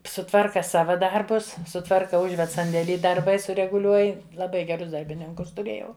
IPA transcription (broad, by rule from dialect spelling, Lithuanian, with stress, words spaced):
sʊˈtʋɐrkɐ ˈsɑːʋɐ ˈdɐrbʊs sʊˈtʋɐrkɐ ˈʊʒʲʋʲɛt sɐnʲdʲeːˈlʲiː dɐrˈbɐɪ sʊrʲɛɡʊˈlʲuɔj lˠɐˈbɐɪ ɡʲɛˈrʊs dɐrʲbʲɪˈnʲɪŋkʊs tʊˈrʲeːjɛʊ